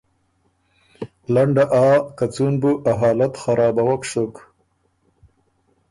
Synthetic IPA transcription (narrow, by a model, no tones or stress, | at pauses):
laɳɖaʔɑːkat͡sunbuʔaɦɑːlat̪xaɾɑːbawakʂʊk